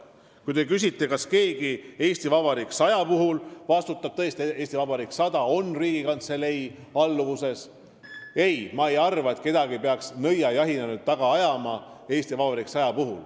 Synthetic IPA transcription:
kujt̪e̞kys̬ʲit̪ːˑe̞kɑske̞ːɡ̥ie̞ːsʲt̪ivɑbɑɾiksɑjɑpuɦulvɑst̪ut̪ːˑɑb̥̚t̪ɤ̞est̪ieːsʲt̪ivɑbɑɾiːksɑd̪ɑo̞nːriːɡikɑnt̪se̞le̞j | ɑlːuvuse̞s | e̞jmɑejɑrvɑe̞t̪ke̞d̪̥ɑɡipeɑksnɤjɑjɑɦinenud̪̚t̪ɑɡ̥ɑɑjɑmɑ | e̞ːsʲt̪ivɑbɑɾiksɑjɑpuɦṵl

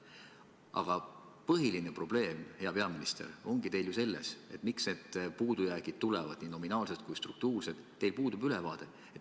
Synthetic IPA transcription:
ɑ̰ɡ̥ɑ | pɤɦilinepro̞b̥le̞ːmhe̞ɑpe̞ɑminist̪ḛɾo̞ŋɡ̥it̪e̞jljuse̞lːe̞̰se̞t̪ːˑmiksne̞ːd̪̥̚puːd̪ujæːɡ̥id̪̥̚t̪ːulɛvɑd̪̥nino̞minɑːlset̪̚kujst̪ruk̚t̪uːrse̞d̪̥t̪ːe̞jlpuːd̪̥ub̥ylɛvɑːd̪̥e̞ | et̪

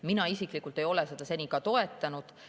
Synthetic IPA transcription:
minɑisikˑlikːˑult̪ːˑe̞jo̞lesed̪̥ɑse̞nʲikɑt̪o̞e̞t̪ːˑɑnud̪̥

